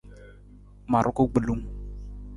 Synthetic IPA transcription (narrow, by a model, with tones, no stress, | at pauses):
ma˨ɾʔʊ˦ko˦ɡ͡bə˨lu˦m